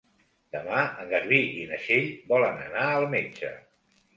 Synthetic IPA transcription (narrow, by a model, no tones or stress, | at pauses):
d̪̥əmaəŋɡəɾβiinəʃeʎbɔlənə̰naəlˠmed͡ʒə̰